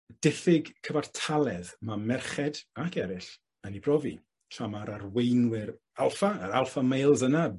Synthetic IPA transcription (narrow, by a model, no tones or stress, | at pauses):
d̥ɪfɪɡkʰəvartʰalˠɛðmamɛrχɛdakʰɛɾɪɬ | ənibrɔvḭ | ɬamaɾarwejnwɪɾ | alˠfaːɾalˠfamejlˠzəna